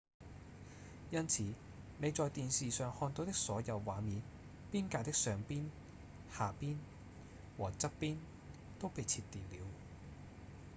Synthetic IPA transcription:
jɐ˥nt͡sʰiː˨˧ | ne˨˧jt͡sɔː˨˧jt̪iː˨nsiː˨sœː˨ŋhɔː˧nt̪o˨˧˥wt̪ɪ˥k̚sɔː˨˥jɐ˨˧wːaː˨˧miː˨˧n | piː˥nkaː˨˧t̪ɪ˥ksœː˨˩ŋpiː˥n | haː˨piː˥n | wɔː˨˩t͡sɐ˥t̚piː˥n | t̪o˥wpe˨jt͡sʰiː˧t̚t̪iː˨nliː˨˧w

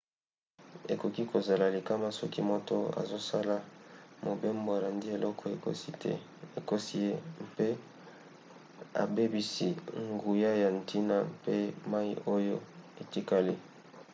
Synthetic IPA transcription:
ḛ˨ko˨ki˦ko˨za˨la˨li˨ka˦ma˦sɔ˦ki˦mo˦to̰˦a̰˨zo˦sa˦la˨mo˨be˦mbo˨a˨la˨ndi˦e˨lʔɔ˦kʰɔ˨e˨ko̰˦si˦tɛ̰˦ | e˨ko˦si˦je˦pe˦ | a̰˨be˦bi˦si˦ŋɡu˨ja˦ja˨ntʰi˦na˦pe˦ma˦i˦o˦jo˦e˨ti˦ka˨li˦

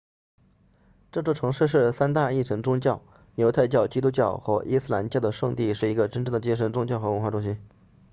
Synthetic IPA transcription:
ʈ͡ʂɤ˥˩ʈ͡ʂwɔ˥˩ʈ͡ʂʰɤ˧˥ŋʂɻ̩˥˧ʂ̬ɻ̩˥˩sa˥nt̪a˥˧i˥˩ʈ͡ʂʰɤ˧˥ŋʈ͡ʂʊ˥ŋt͡ɕjɑ˥˩ʊ | njo˧˥ʊt̪ʰa˥˧ɪt͡ɕjɑ˥˩ʊt͡ɕi˥t̪̬u˥t͡ɕjɑ˥˩ʊxwɔ̰˥˩ʔi˥sɹ̩˥˩a˧˥nt͡ɕjɑ˥˩ʊd̪ə˩ʂɤ˥˧ŋt̪i˥˧ʂɻ̩˥˩i˧˥ɡə˧ʈ͡ʂə˥nʈ͡ʂɤ˥˩ŋd̪ə˩t͡ɕi˥ʂ̬ə˧˥nt͡sʊ˥ŋt͡ɕjɑ˥˩ʊxɤ˧˥wə˧˥nxwa˥˩ʈ͡ʂʊ˥ŋɕi˥n

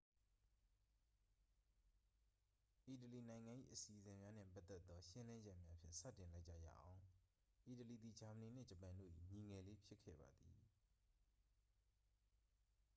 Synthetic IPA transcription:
ʔi˨təli˨nã˨ɪ̃ŋã˨ʔḭ˦˨ʔəsi˨ʔəzɪ̃˨mja˦n̥ɪ̰̃˦˨pa˦t̪ːɛ˦t̪ːɔ˦ʃɪ̃˦lɪ̃˦d͡ʑɛ˦ʔmja˦pʰjɪ̰̃˦˨sä̰˦˨tɪ̃˨la˦ɪʔt͡ɕä̰˦˨jä̰˦˨ʔã˨ʊ̃ | ʔi˨təli˨d̪i˨d͡ʑa˨mə˨ni˨n̥ɪ̰̃˦˨d͡ʑə˨pã˨ndo̰˦˨ʔḭ˨ɲi˨ŋɛ˨le˦pʰjɪ˦kʰːɛ̰˦˨ba˨d̪ðḭ˨

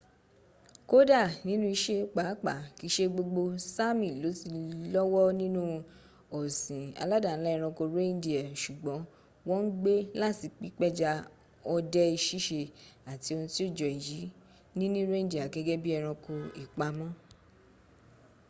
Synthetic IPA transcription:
ko˦da˦˨nĩ˨˦nũ˦i˧ʃe˦k͡pa˨˦k͡pa˨ki˦˧˦ʃe˦ɡ͡bo˧ɡ͡bo˧sa˦mĩ˦˨lo˨˦si˧lɔ˦wɔ˦nĩ˦nũ˦ | ɔ˨sĩ˨a̰˧la˦da˦˨n̩˨˦la˦i˧ɾ̃ɔ̃˧ko˧ɾẽ˦di˦a˨ʃu˨ɡ͡bɔ̃˨˦ | wɔ̃˦n̩˦ɡ͡be˦la˦ti˨˧k͡pi˦k͡pɛ˦d͡ʒa˧ | ɔ˧dɛ˦i˧ʃi˦ʃe˧a˨ti˨˦o˧nũ˧ti˦o˦˨d͡ʒɔ˨i˨ji˨˦ | nĩ˦nĩ˦ɾẽ˦di˦˨a˨ɡɛ˧ɡɛ˦bi˦ɛ˧ɾ̃ɔ̃˧ko˧i˨k͡pa˧mɔ̃˦

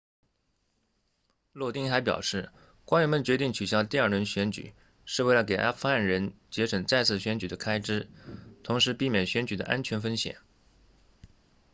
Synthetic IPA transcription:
lwɔ˥˧t̪i˥˩ŋxa˧˥ɪpjɑ̰˨˩ʊʂɻ̩˥˩ | kwa˥nɥɛ˧˥nmə˧nt͡ɕɥɛ˧˥t̪i˥˩ŋt͡ɕʰy˨˩ɕjɑ˥ʊt̪i˥˧ɐ˞˥˩ɻə˧˥nɕɥɛ˧˥nt͡ɕy̰˨˩˦ | ʂɻ̩˥˧we˥˩lə˩ke˨˩ɪʔa̰˥fʰu˥a˥˩nɻə˧˥nt͡ɕjɛ˧˥ʂə˨˩ŋt͡sa˥˧ɪt͡sʰɹ̩˥˩ɕɥɛ˧˥nt͡ɕy˨˩d̪ə˦kʰa˥ɪʈ͡ʂɻ̩˥t̪ʰʊ˧˥ŋʂɻ̩˧˥pi˥˩mjɛ˨˩nɕɥɛ˧˥nt͡ɕy˨˩d̪ə̰˦ʔa̰˥nt͡ɕʰɥɛ˧˥nfə˥nɕjɛ̰˨˩˦

